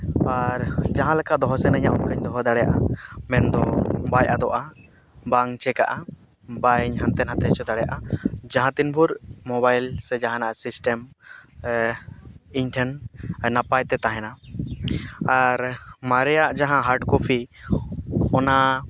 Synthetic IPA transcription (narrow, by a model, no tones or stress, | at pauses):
aɾd͡ʒaɦãlɛkad̪ɔɦɔsɛnəɲaʔunkaɲd̪ɔɦɔd̪aɽɛja̰ʔamɛnd̪ɔbajʔad̪ɔʔa | baŋt͡ʃɛka̰ʔa | bajɲɦant̪ɛnɦat̪ɛt͡ʃɔd̪aɽɛjaʔad͡ʒaɦãt̪inbʱuɾmɔbajlsɛd͡ʒaɦãnaʔasisʈɛm | iɲʈʰɛnnapajt̪ɛt̪aɦɛna | aɾmaɾɛjaʔd͡ʒaɦãɦaɾʈkɔpʰi | ɔna